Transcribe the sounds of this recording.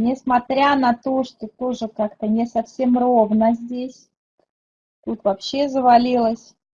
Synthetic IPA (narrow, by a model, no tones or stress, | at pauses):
nʲɪsmɐt̪ɾʲanɐt̪o̞ʂt̪ot̪o̞ʐɨkakt̪ənʲɪsɐfsʲe̞mro̞vnəzʲdʲesʲ | t̪ut̪vɐpɕːe̞zəvɐlʲilˠəsʲ